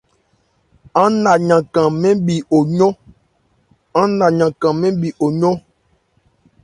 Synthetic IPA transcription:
ã˦na˨ɲã˨kã˨mɛ̃˦ɓi˨ʔo˨ɲɔ˦ | ã˦na˨ɲã˨kã˨mɛ̃˦ɓi˨ʔo˨ɲɔ˦

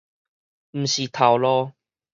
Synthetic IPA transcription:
m̩˨˩ɕi˨˩t̪ʰa˨˩wlɔː˧˦

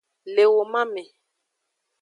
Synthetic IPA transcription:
le˨wo˨mã˦mẽ˨

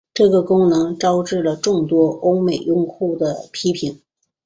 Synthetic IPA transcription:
ʈ͡ʂɤ˥˩ɡə˩kʊ˥ŋnɤ˧˥ŋʈ͡ʂɑ˥ʊʈ͡ʂɻ̩˥˩lə˩ʈ͡ʂʊ˥˩ŋt̪wɔ˥ʔo˥ʊme˨˩ɪjʊ˥˧ŋxʰu˥˩d̪ə˩pʰi˥pʰi˨˩˦n

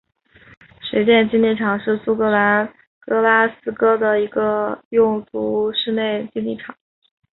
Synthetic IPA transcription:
ʂe˧˥ɪt͡ɕjɛ˥˧nt͡ɕi˥nli˥˩ʈ͡ʂʰɑ˨˩ŋʂɻ̩˥˩su˥kɤ˧˥la˧˥n | kɤ˥la˥sɹ̩˥kɤ˥d̪ə˨i˧˥ɡə˧jʊ˥˩ŋt̪u˧˥ʂɻ̩˥˧ne˥˩ɪt͡ɕi˥nli˥˩ʈ͡ʂʰɑ˨˩˦ŋ

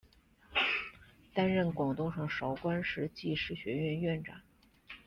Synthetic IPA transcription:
t̪a˥nɻə˥˩nkwɑ˨˩ŋt̪ʊ˥˧ŋʂɑ˥˩ŋʂɑ˧˥ʊkwa˥nʂɻ̩˧˥t͡ɕi˥˩˧ʂɻ̩˥˩ɕɥɛ˧˥ɥɛ˥˧nɥɛ˥˩nʈ͡ʂa̰˨˩˦n

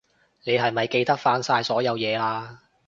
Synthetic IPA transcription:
ne˨˧jɦɐ˨˩jmɐ˨jke˧jt̪ɐ˥k̚faː˧nsaː˧jsɔː˨˥jɐ˨˧wjɛː˨˧laː˧

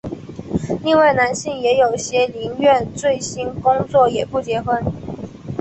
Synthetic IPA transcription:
li˥˧ŋwa˥˩ɪna˧˥nɕi˥˩ŋjɛ˧˥jo˨˩ʊɕjɛ˥li˧˥ŋɥɛ˥˧nt͡swe˥˩ɪɕi˥nkʊ˥ŋt͡swɔ˥˩jɛ˨˩pu˥˩t͡ɕjɛ˧˥xwə˥n

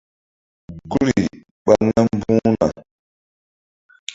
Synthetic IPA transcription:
ɡu˦ɾi˨ | ɓa˦˨ŋla˦mbũ˦na̰˨

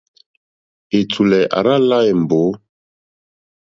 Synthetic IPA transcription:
e˨t͡sʰu˨lɛ˨ʔa̰˨ɾa˦la˦e˨m̩˨bo˨˦

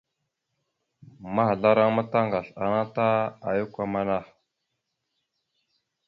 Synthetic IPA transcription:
ma˦ha˨ɮa˦ɾa˦ŋma˦ta˦ŋɡa˨ɬa˨na˦ta˦a˨ju˦kʷa˨ma˦na˦˨

